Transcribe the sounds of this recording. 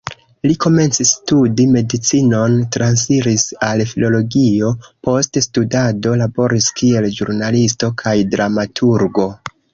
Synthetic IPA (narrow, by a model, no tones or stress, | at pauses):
liko̞me̞nt͡sistudime̞dit͡sino̞ntɾans̬fiɾisalfilo̞lo̞ɡio̞po̞ststudado̞labo̞ɾiskie̞lʒṵɾnalisto̞kʰajdɾamatʰuɾɡo̞